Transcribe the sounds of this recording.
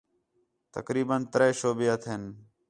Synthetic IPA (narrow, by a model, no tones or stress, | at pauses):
t̪ə̰kɾiːbənt̪ɾeːʃoːbɪjət̪ʰɦɪn